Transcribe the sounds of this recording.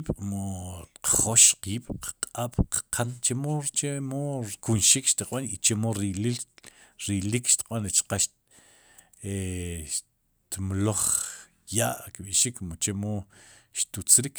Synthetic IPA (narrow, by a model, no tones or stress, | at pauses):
iɓ̥moqχoʃqiːɓ̥qqʼaɓ̥qqʰant͡ʃemot͡ʃemokunʃikʃt̪iqʼɓanit͡ʃemoɾilil | ɾilikʃt̪i̥q̚ʼɓanɾet͡ʃqaʃ | eʃ | t̪mloχ | jaʔkɓiʃikmot͡ʃemoʃt̪ut͡sɾik